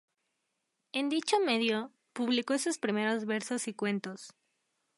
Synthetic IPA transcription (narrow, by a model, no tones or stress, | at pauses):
e̞nd̪it͡ʃo̞me̞ðjo | puβliko̞esuspɾime̞ɾo̞zβe̞ɾso̞sikwe̞nt̪os